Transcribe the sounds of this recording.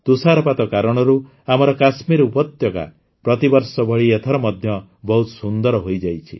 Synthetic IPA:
t̪usaɾɔpat̪ɔkaɾɔɽ̃ɔɾu | amɔɾɔkasmiɾupɔt̪jɔɡa̰ | pɾɔt̪ibɔɾsɔbʱɔɭiet̪ʰɔɾɔmɔd̪ʱjɔ | bɔɦut̪sund̪ɔɾɔɦojd͡ʒajt͡ʃʰḭ

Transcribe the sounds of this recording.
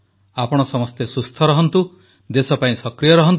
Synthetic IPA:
apɔɽ̃ɔsɔmɔst̪esust̪ʰɔɾɔɦɔnt̪u | d̪esɔpaĩsɔkɾijɔɾɔɦɔnt̪

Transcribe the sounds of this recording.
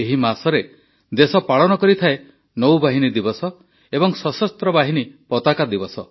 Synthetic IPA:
eɦimasɔɾe | d̪esɔpaɭɔnɔkɔɾit̪ʰae | nɔwbaɦinid̪ibɔsɔ | ebɔŋsɔsɔst̪ɾɔbaɦinipɔt̪akad̪ibɔsɔ

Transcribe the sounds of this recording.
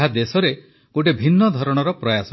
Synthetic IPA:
ad̪esɔɾe | koʈ̬ebʱinːɔd̪ʱɔɾɔɽ̃ɔɾɔpɾɔjasɔ

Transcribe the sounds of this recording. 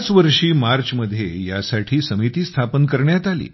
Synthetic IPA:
t͡sʋəɾʂiːmaɾt͡ɕməd̪ʱːjeja̰saʈʰiːsəmit̪iːst̪ʰapənkəɾɳjat̪alḭː

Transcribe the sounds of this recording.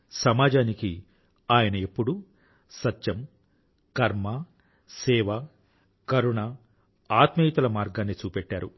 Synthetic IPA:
sɐmaːd͡ʒaːniki | aːjɐnɐepːuɽu | sɐtːʃɐm | kɐɾmɐ | sɛːʋɐ | kɐɾuɳɐ | aːt̪mɐjit̪ɐlɐmaːɾɡaːnːit͡ʃuːpeʈːaːɾu

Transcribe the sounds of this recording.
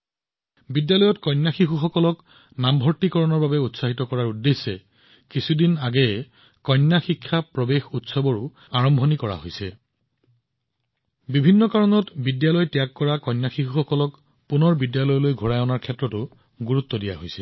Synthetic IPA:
bidjalɔjɔtkɔjnːaxixuxɔkɔlɔk | nambʱɔɹtikɔɹɔnɔɹbabɛutsaɦitɔkɔɹaɹudːesːɛ | kisʰudinaɡɛ | kɔjnːaxikʰːapɹɔbexutsɔbɔɹʊ | aɹɔmbʱɔnikɔɹa̰ɦojsɛ | bibʱinːɔkaɹɔnɔtbidjalɔjtijakːɔɹakɔjnjaxixuxɔkɔlɔk | punɔɹbidjalɔjlojɡʱuɹajɔnaɹkʰɛtːɹɔtʊ | ɡuɹut̪ːɔdija̰ɦojsɛ

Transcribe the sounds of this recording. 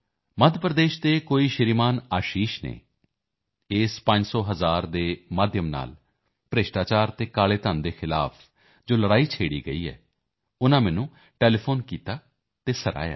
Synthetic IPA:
məd̪ʱpɾəd̪eːʃd̪eːkoːiːʃɪɾiːmaːnaːʃiːʃnḛː | eːspə̃ɲd͡ʒsɔːɦəzaːɾd̪eːmaːd̪ʱjəmna̰ːl | pɾeʃʈaːt͡ʃaːɾt̪eːkaːleːt̪ənd̪eːxʰɪla̰ːpʰ | d͡ʒoːləɽaːiːt͡ʃʰeːɽiːɡəiːɛ̰ː | ʊnãːmɛːnũː | ʈɛːleːpʰoːnkiːt̪aː | t̪eːsəɾa̰ːja̰ː

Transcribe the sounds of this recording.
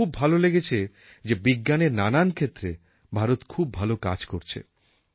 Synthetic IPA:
ub̚ːʱaloleɡet͡ɕʰe | d͡ʑebiɡːaneɾnanankʰet̪ːɾe | bʱaɾot̪kʰub̚ʱaloka̰d͡ʑkoɾt͡ɕʰḛ

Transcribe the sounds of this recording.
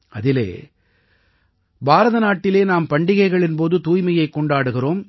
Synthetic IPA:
ʔɐðɪlḛː | bʱaːɾɐðɐnaːʈːɪleːnaːmpɐɳɖɪɣɐɪɣɐɭɪnpoːðɯt̪uːjmɐjɐɪkːɔɳɖaːɽɯɣɪroːm

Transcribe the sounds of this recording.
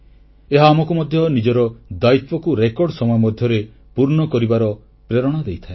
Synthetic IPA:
eɦaːmɔkumɔd̪ʱjɔnid͡ʒɔɾɔd̪ajt̪ɔkuɾekɔɾɖɔsɔmɔjɔmɔd̪ʱjɔɾe | puɾɳɔkɔɾibaɾɔ | pɾeɾɔɽ̃ɔd̪ejt̪ʰae

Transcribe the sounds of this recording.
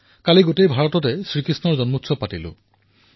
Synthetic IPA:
kaliɡotejbʱaɹɔtɔtɛsɹikɹisnɔɹzɔnmutsɔpatilʊ̰̃

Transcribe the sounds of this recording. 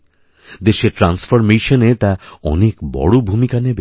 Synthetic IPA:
d̪eʃeɾʈɾansfoɾmejʃonet̪aɔ̰nekbɔ̰ɽobʱumikanebe

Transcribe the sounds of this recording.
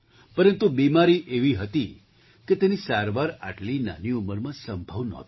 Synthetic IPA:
pəɾənt̪ubimaɾiʔeʋiɦət̪i | ket̪enisaɾʋaɾa̰ʈlina̰niuməɾmãsəmbʱəʋnɔ̰t̪

